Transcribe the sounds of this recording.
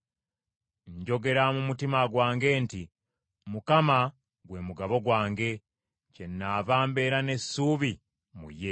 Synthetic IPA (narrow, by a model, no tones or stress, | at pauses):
ɲɟo̞ɡe̞ɾamumutimaɡwaːŋɡe̞ːnti | mukama | ɡwe̞muɡaβo̞ɡwaːŋɡe̞ | ce̞nːaːvaːmbe̞ːɾane̞sːuːβi | mṵje